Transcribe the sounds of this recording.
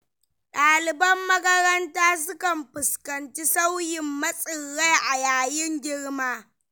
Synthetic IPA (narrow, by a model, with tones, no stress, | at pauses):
ɗaː˨lɪ˨bɐ˦mːɐ˦kɐ˦ɾɐ˦ntaː˦s̬ʊ˦kɐ˨mɸɪ˨skɐ˨nt͡ʃi˦sa˦wjɪ˨mːɐ˦sʼɪ˨rːa˦jʔa˨jaː˨jɪ˦ŋɡʲɪ˦ɽmaː˦